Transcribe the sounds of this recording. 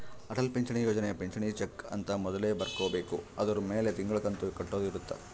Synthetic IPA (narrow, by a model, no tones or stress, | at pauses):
ɐʈɐlpeɲt͡ʃɐɳijoːd͡ʒɐneɐpeɲt͡ʃɐɳiːt͡ʃekːɐ̰nt̪ɐmɔd̪ɐle̞ːbɐɾkoːbe̞ːkuɐd̪ɐɾumeːlet̪iŋɡɐɭɐkɐnt̪ukɐʈːo̞ːd̪iɾut̪ːɐ̰